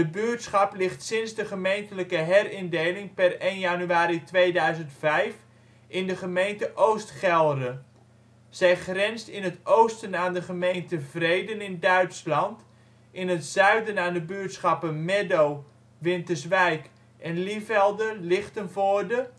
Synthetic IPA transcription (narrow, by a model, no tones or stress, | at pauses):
dəbyːtsχɑplɪχtsɪnzdəχəmejntələkəɦɛrɪndejlɪŋpɛrejnjanyaːɾitʋejdœɥzəntfɛjf | ʔɪndəχəmejntəʔowstχɛlˠdə | z̥ɛjχrɛnstɪnətowstənaːndəχəmejntəvrejdənɪndœɥtslɑnt | ʔɪnətsœɥdənaːndəbyətsχɑpənmɛdow | ʋɪntəsʋɛjk | ʔɛnlifɛlˠdəlɪχtənvoːrdə